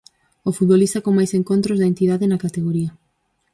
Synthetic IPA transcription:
ofut̪βolist̪akoŋmajseŋkont̪ɾozðɐent̪iðaðenakat̪eɣoɾiɐ

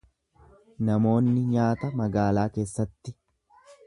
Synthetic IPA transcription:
nɐmo̞ːnːɪɲaːt̪ɐmɐɡaːlaːke̞ːsːɐt̪ːɪ

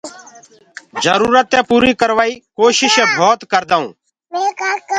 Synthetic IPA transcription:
d͡ʒəɾuːɾət̪ːẽːpuːɾiːkəɾʋaːiːkoːʃɪʃẽːbʱoːt̪kəɾd̪aːṵ̃ː | mekaːɾkə

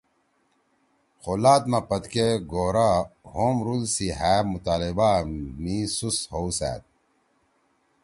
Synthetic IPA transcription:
xolaːt̪mɐpɐt̪keɡoːɾahoːmɾulsiɦæːmut̪aːlibamisushowsæ̰ːt̪̚

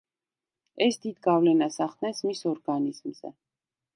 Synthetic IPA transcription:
ɛsd̪id̪ɡavlɛnasaχd̪nɛnsmisɔɾɡanizmzɛ̰

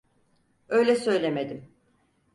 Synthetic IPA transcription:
ø̞jlʲɛsø̞jlʲemed̪im

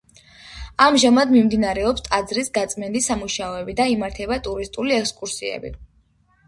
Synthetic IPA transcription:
amʒamad̪mimd̪inaɾɛɔpst̪ʼad̪zɾisɡat̪sʼmɛnd̪isamuʃaɔɛbid̪aimaɾt̪ʰɛbat̪ʼuɾist̪ʼuliɛkskʼuɾsiɛ̰bḭ

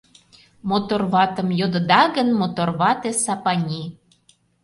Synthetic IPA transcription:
mot̪orβɑt̪əmjod̪ə̆d̪ɑɣənmot̪orβɑt̪esɑpɑnʲi

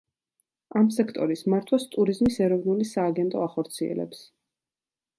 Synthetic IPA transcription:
amsɛkʰt̪ʼɔɾismaɾt̪ʰwast̪ʼuɾizmisɛɾɔvnulisaːɡɛnt̪ʼɔaχɔɾt̪sʰiɛ̰lɛ̰ps

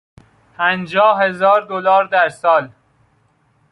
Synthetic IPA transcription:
pʰænd͡ʒɒːhɦezɒːɾd̪olɒːɾd̪æɾsɒːl

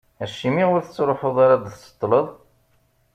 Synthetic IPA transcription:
æʃːimiʁʊɾθət͡sːɾˤoħʊðˤaɾad̪θsːə̥t̪ˤːləðˤ

